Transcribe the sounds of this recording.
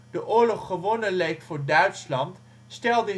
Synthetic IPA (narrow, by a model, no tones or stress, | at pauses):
d̥əʔʊːɹlɔχːəʋonəlejktfʊːɹdœɥtslɑnt | stɛlˠdə